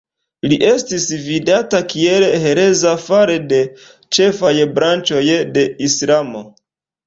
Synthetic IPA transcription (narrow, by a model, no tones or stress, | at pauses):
liʔe̞stisvidatakielhe̞ɾe̞zafaɾe̞de̞ | t͡ʃe̞fajbɾant͡ʃo̞jde̞islamo̞